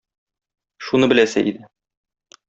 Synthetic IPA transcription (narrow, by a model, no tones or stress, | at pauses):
ʃunɤbɘ̆læsæʔḭd̪ɘ